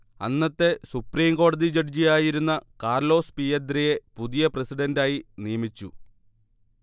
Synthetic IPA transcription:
ɐ̰nːɐt̪ːe̞supriːmko̞ːɽɐðid͡ʑɐrd͡ʑijaːjiɾunːɐkaːrlo̞ːspijɐd̪ɾije̞puðijɐprɐsiɖɐndaːjinijɐmit͡ɕːu

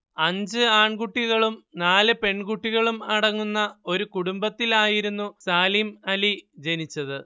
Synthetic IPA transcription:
ɐɲd͡ʑɨaːɳɡuʈːiɣɐɭumnaːlɨpe̞ɳkuʈːiɣɐɭumɐɽɐŋːunːɐo̞ɾukuɽumbɐt̪ːilaːjiɾunːusaːlimɐlid͡ʑe̞nit͡ɕːɐðɨ

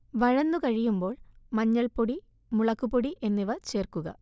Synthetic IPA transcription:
ʋɐɻɐnːukɐɻijumbo̞ːɭmɐɲːɐɭpoɽi | muɭɐkːupːoɽiʔe̞nːiʋɐt͡ɕe̞ːrkuɣɐ̰

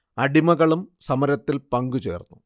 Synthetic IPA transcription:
ɐɽimɐɣɐɭumsɐmɐɾɐt̪ːilpɐŋɡut͡ɕe̞̰ːrnːu

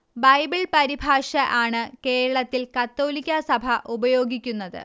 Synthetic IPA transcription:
bɐjbiɭpɐɾibʱaːʂɐʔaːɳɨke̞ːɾɐɭɐt̪ːilkɐt̪ːo̞ːlikʲːɐsɐbʱɐʔubɐjo̞ːɡʱikʲːunːɐðɨ̰

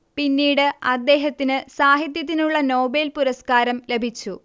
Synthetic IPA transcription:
pinːiːɽɨɐd̪ːe̞ːɦɐt̪ːinɨsaːɦit̪̬jɐt̪̬ːinuɭːɐno̞ːbelpuɾɐskaːɾɐmle̞bʱit͡ɕːu

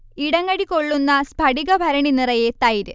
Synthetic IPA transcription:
iɽɐŋɡɐɽikoɭːunːɐsbʱɐɽiɡɐbʱɐɾɐɳinirɐjet̪ɐjiɾɨ

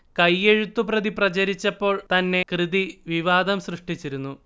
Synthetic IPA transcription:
kɐjːeɻut̪ːuprɐðiprɐt͡ɕɐɾit͡ɕːɐpːo̞ːɭt̪ɐnːe̞krɨd̪iʋiʋaːd̪ɐmsrɨʂʈit͡ɕːiɾunːu

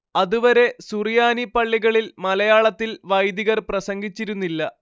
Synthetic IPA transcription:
ɐðuʋɐɾe̞surijaːnipɐɭːiɣɐɭilmɐlɐjaːɭɐt̪ːilʋɐjd̪iɣɐrprɐsɐŋɡit͡ɕːiɾunːilːɐ

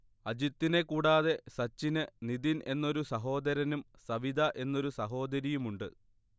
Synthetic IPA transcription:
ɐd͡ʑit̪ːine̞kːuːɽaːðe̞sɐt͡ɕːinɨniðinʔe̞nːo̞ɾusɐɦo̞ːd̪ɐɾɐnumsɐʋid̪ʱɐʔe̞nːo̞ɾusɐɦo̞ːd̪ɐɾijumuɳɖɨ

